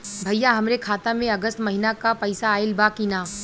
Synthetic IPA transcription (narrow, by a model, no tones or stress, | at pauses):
bʱɐjaɦɐmɾekʰaːt̪amẽɐɡəst̪mɐɦɪnakapɐɪsaːɪlbaːkinaː